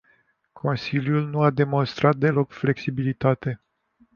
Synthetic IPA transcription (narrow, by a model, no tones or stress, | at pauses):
kʰo̞nsiljulnuad̪e̞mo̞nst̪ɾat̪̚d̪e̞lo̞kfle̞ksibilit̪at̪e̞